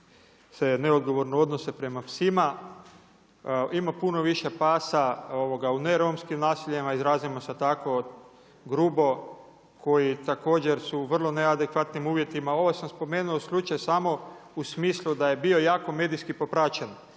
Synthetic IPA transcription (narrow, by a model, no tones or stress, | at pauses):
se̞neod̪ɡo̞ʋo̞ɾneo̞d̪no̞se̞pɾe̞mafsima | imapuno̞ʋiʃe̞paːsao̞ʋoɡaune̞ɾomskimnaːsiʎemaizɾaːzimoset̪ako | ɡɾubo̞ | kʰo̞jit̪ako̞ːd͡ʑeɾsuʋr̩lˠo̞nead̪ekʋat̪nimuːʋje̞t̪imao̞ʋosamspo̞meːnuoslˠut͡ʃajsamo̞usmiːslˠud̪aje̞bio̞jaːko̞me̞d̪ijskipo̞pɾat͡ʃen